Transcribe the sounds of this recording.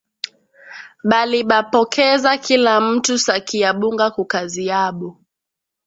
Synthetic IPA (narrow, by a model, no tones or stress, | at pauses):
ɓaliɓapɔkʰɛzakilam̩tusakiaɓuŋɡakukaziaɓɔ